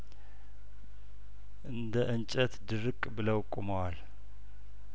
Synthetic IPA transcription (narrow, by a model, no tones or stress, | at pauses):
ʔɨnd̪əʔɨnt͡ʃʼət̪d̪ɨɾɨkʼbɨləwkʼːuməwal